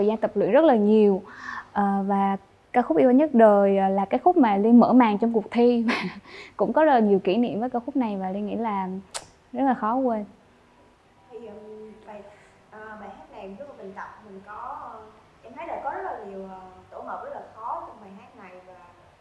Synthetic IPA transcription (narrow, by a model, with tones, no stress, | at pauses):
əː˨˩zaː˧nt̪ə˨˩p̚lwḭ˧˨nzə˦˥t̚laː˨˩ɲi˨˩əwʔəː˨˩vaː˨˩ | kaː˧wxʊ˦˥k͡p̚ʔi˧waː˧ɲə˦˥t̚ɗəː˨˩jʔːlaː˨˩kaː˨˦jxʊ˦˥k͡p̚maː˨˩li˧nmə̰ː˧˥˩maː˨˩ŋt͡ɕɔ˧wŋ͡mku˨˩ək̚t̪ʰi˧vaː˨˩kʊ̰˧˥ŋ͡mkɔ˨˦zə˦˥t̚laː˨ɲi˨˩əwkḭ˧˩nḭ˧˨əmvə˨˦jkaː˧wxʊ˦˥k͡p̚na˨˩jvaː˨˩li˧nŋḭ˧˥laː˨˩ | zə˦˥t̚laː˨˩xɔ˨˦kwe˧n | ə˧˩jə˨˩va˧˨j | ʔəː˨˩ɓaː˨ɦaː˦˥t̚na˨˩ju˧˦a˨˩ɓi˨˩ŋt̪ə˨˩k͡p̚t̪ʰi˨˩kɔ˨˦˧ | ʔɛ˧mʰə˨˦jɗəː˨˩jkɔ˨˦zə˦˥laː˨˩ɲi˨˩əwʔəː˨˩t̪o˧˩ɦəː˨˩p̚zə˦˥t̚laː˨˩xɔ˨˦ɲɨ˧ŋɓaː˨˩ɦaː˦˥t̚na˨˩jvaː˨˩